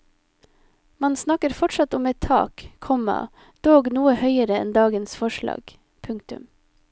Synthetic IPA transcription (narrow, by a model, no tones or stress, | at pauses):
mɑnsnɑkəɾfɔʈʃɑt̪ʊmɛt̪ʰɑ̰ːkkʰɔmɑ̰ | d̪̥oːɡnuːəhœʏəɾəɛ̰nd̪ɑːɡənsfɔʃɭɑ̰ːɡ̥ | pʰʉŋk̚t̪ʉ̰m